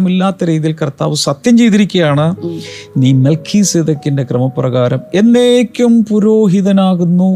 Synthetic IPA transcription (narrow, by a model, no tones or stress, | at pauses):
milːaːt̪ːɐɾiːðilkɐrt̪ːa̰ːʋɨsɐt̪jɐmt͡ɕe̞jt̪iɾikʲːɐjaːɳɨniːmelkʰiːseðɐkʲːinde̞krɐmɐprɐɣaːɾɐme̞nːeːkʲːumpuɾoːɦiðɐnaːɣunːu